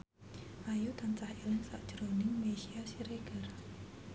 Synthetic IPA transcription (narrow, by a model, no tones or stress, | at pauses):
ʔajut̪ant͡ʃahilɪŋsaʔd̥d͡ʒ̥ɾonɪŋmesiasiɾeɡ̥ər